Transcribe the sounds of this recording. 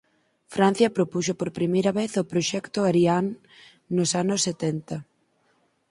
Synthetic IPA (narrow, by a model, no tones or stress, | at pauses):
fɾan̟θjɐpɾopuʃopoɾpɾimejɾɐβeθopɾoʃɛkt̪ʊaɾiaŋ | nːʊsanʊsːet̪ɛnt̪ɐ